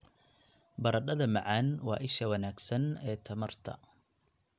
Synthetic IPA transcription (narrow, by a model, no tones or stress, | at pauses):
bɐɾɐɗɐðɐmɐʕaːnwɑ̰ːʔɪʃɐwɐnaːɡsɐnɛːt̪ʰɐmɐrt̪ʰɐ̰